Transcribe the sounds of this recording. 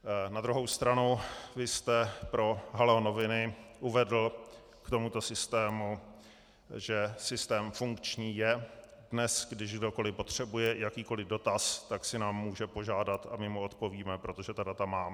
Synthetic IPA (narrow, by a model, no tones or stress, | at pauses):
nad̪ɾuɦo̞wst̪ɾanovɪst̪ɛpɾo̞ɦalɛono̞vɪnɪʔuvɛdl̩ | kt̪o̞mut̪o̞sɪst̪ɛːmu | ʒɛsɪst̪ɛːmfuŋkt͡ʃɲiːjɛ | dnɛsɡdɪʃɡdo̞ko̞lɪpo̞t̪r̝̥ɛbujɛjakiːko̞lɪdo̞t̪ast̪aksɪnaːmːuːʒɛpo̞ʒaːdat̪amɪmuo̞t̪po̞viːmɛpɾo̞t̪o̞ʒɛt̪adat̪amaː